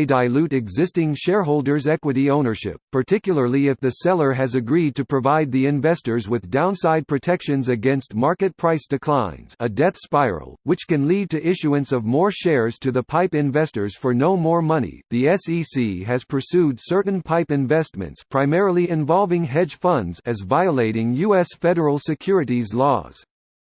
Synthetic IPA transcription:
daɪlʉɾɨɡzɪstɪ̃ŋʃɛɹɦoʊlˠdə˞zɛkwɨɾiõʊ̃nə˞ʃɪ̰pʰːə˞tʰɪkjl̩ˠə˞lˠiɨfðɨsɛlˠə˞ɨzɨɡɹid̚tʰɨpʰɹ̥ɨvaɪd̪̚ðiɨ̃ɱvɛstə˞zwɨðdãʊ̃nsaɪd̚pʰɹ̥ɨtʰɛkʃɨ̃nzɨɡɛ̃nst̚mɑɹkɨt̚pʰɹ̥aɪsd̥ɨkʰl̥ãɪ̃nnz̥ɨdɛθspaɪɹə̰l̩ˠwɨt͡ʃkɨ̃nlid̚tɨʔɪʃʉuɨ̃nsʌvmɔɹʃɛɹz̥tʰɨðəpʰaɪpɨ̃ɱvɛstə˞z̥fə˞noʊmɔɹmʌnḭðiɛsisiɨz̥pʰə˞sʉdsɜ˞ʔn̩pʰaɪpɨ̃ɱvɛst̚mɨ̰̃ntspʰɹ̥aɪmɛɹl̩ˠiɨ̃ɱvɑlˠvɪ̃ŋɦɛd̥ʒ̥fʌ̃ndzɨzvaɪəleɪɾɪ̃ŋjʉɛsfɛɾə˞l̩ˠsɨkʰj̥ʊɹɨɾizlɔ̰z̥

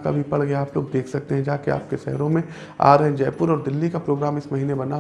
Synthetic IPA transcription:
ka̰bʱipɐɽɡɐjaaːploːɡd̪eːkʰsɐk̚t̪eɦɛ̃d͡ʒaːkea̰ːp̚keʃɛ̰ɦɾõmẽ | a̰ːɾɦɛ̃d͡ʒɛːpʊɾɔːɾd̪ɪlːikapɾoːɡɾaːmɪsmɐɦiːnebɐna

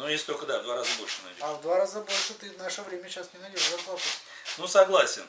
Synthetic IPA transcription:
nujesʲt̪olʲkəd̪avd̪vaɾazəbolʲʂənɐd̪ʲavd̪vaɾazəbo̞lʲʂɨt̪ɨvnaʂəvɾʲemʲəɕasnʲɪnɐlʲiazvɐposʲ | nusɐɡlˠasʲɪn

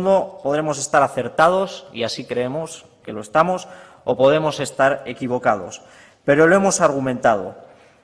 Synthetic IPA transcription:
nd̪o̞po̞ð̞ɾe̞mose̞st̪aɾaθe̞ɾt̪að̞o̞sḭasikɾe̞e̞mo̞s | ke̞loest̪amo̞s | o̰po̞ð̞ɾe̞mo̞se̞st̪aɾe̞kiβ̞o̞kað̞o̞̰s | pe̞ɾo̞loe̞mo̞saɾɣ̞umẽ̞nt̪að̞o̞̰

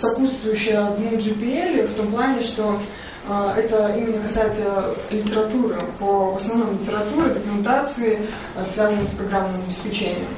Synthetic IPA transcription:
sɐput̪st̪vʊjʉɕːɪjəd̪nʲuʐɨpʲɪelʲft̪o̞mplˠanʲɪʂt̪o̞ | ɛt̪əimʲɪnːəkɐsajɪt̪ʲəlʲɪtʲɪɾɐt̪uɾɨpəvəsnɐvnomlʲɪtʲɪɾɐt̪uɾʲɪd̪əkʊmʲɪnt̪at̪sɨɪ | svʲazənəspɾɐɡɾamːɨmɐbʲɪspʲɪt͡ɕenʲɪ̰jə̰m

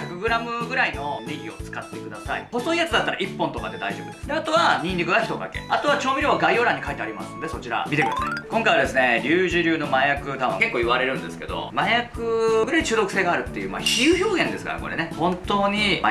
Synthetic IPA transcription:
çakɯ̟ɡɯ̟ɾamɯ̟ɡɯ̟ɾaino̞neɡʲio̞̰t͡sɨ̥kat̪ːe̞kɯ̟d̪asaḭho̞so̞ijat͡sɨd̪at̪ːaɾaʔipːõnt̪o̞kad̪e̞d̪aiʑoːbɯ̟d̪sd̪eat̪o̞βaɲ̟ĩnʲikɯɡaçi̥t̪o̞ka̰ke̞̰at̪o̞β̞at͡ɕo̞ːbʲiɾʲjoːβaɡaio̞ːɾãɲ̟ːikait̪eaɾimasɨnod̪e̞sot͡ɕiɾa̰mʲit̪e̞kd̪asa̰ikõ̞ŋkajβad̪e̞sɨne̞ɾʲɨːʑɨɾʲɨːno̞majakɯ̟t̪aɯ̃ŋke̞kːo̞ːiβaɾe̞ɾɯ̟̃nd̪esɨ̥ke̞̰d̪o̞̰majakɯ̟ɡɯ̟ɾait͡ɕɨːd̪o̞kɯ̟seːɡaːɾɯ̟t̪ːe̞jɯ̟ːma̰çiɯ̟ːçʲo̞ːɡẽ̞nd̪esɨ̥ka̰ɾa̰ko̞̰ɾe̞̰ne̞hõ̞nt̪o̞ːɲ̟i

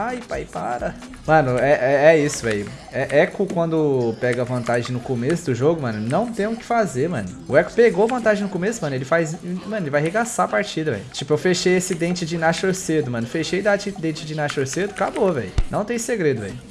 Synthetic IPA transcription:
ajpajpa̰ɾɐ | mɐ̃nʊɛɛɛisʊvɛ̰j | ɛʔɛkʊkwɐ̃nd̪ʊpɛɡɐvɐ̃nt̪aʒẽj̃nʊkomesʊd̪ʊʒoɡʊmɐ̃nʊnɐ̃w̃t̪ẽj̃ʊkɪ̥fazeɾmɐ̰̃nʊʊɛkʊ̥peɡoɐvɐ̃nt̪aʒẽj̃nʊkomesʊmɐ̃nʊelɪfajzmɐ̃nʊelɪvajɦeɡasaɐpaɾt͡ʃid̪ɐvɛ̰jʊt͡ʃipʊewfeʃejesɪd̪ẽt͡ʃɪd͡ʒɪnaʃoɾsed̪ʊmɐ̃nʊfeʃejd̪at͡ʃid̪ẽt͡ʃɪd͡ʒɪnaʃoɾsed̪ʊkabovɛ̰jʊnɐ̃w̃t̪ẽj̃seɡɾed̪ʊɛ̰jʊ

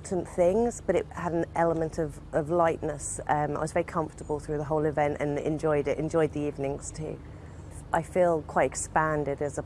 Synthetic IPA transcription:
ʔn̩θɪ̃ŋz̥b̥ʌɾɪʔhəɾən̩ɛləmə̃ntʰəvʔəvlaɪʔnəsʌ̃ma̰ɪwɒzvɛɹikʰʌ̃ɱftəbəlˠθɹʉːðəɦoʊlˠɪvɛ̃ntə̰̃nɛ̰̃nd͡ʒɔɪɾɪtɛ̃nd͡ʒɔɪd̪̚ðiiːvnɪ̃ŋz̥tʰʉ̰ː | ʔaɪfiːlˠkʰw̥aɪtɛkspæ̃ndɪdəzə

